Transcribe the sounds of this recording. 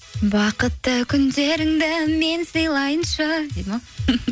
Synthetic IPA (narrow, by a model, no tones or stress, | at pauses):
bɑqət̪ːəkʲʰʏnd̪e̞ɾɪŋd̪ɪme̞nsəjlˠɑjənʃɑd̪emɑ